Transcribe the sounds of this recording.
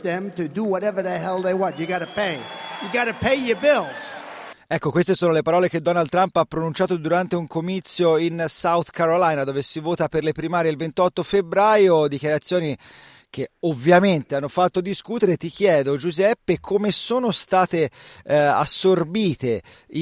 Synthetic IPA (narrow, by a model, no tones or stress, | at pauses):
ðɨ̃mtɨdəwʌɾɛvə˞ðeɪɦɛlˠd̪ðeɪwʌ̃njɨɡɑɾəpʰeɪjɨɡɑɾɨpʰeɪjə˞bɪlˠz̥ɛkːokwest̪esoːnolepaɾɔːlek̟ed̪ɔnald̪t̪ːɾampapːɾonunt͡ʃaːt̪od̪uɾant̪euŋkomit̪sːjoinsawt̪kaɾolajnad̪oːvesivoːt̪aperlepɾimaːɾjeilvent̪ɔt̪ːofebɾaːjod̪ikjaɾat̪sːjoːni | k̟eovːjament̪eanːofat̪ːod̪iskuːt̪eɾet̪ik̟jɛːd̪od͡ʒuzɛpːekʰomesoːnost̪aːt̪e | a̰sːorbiːt̪e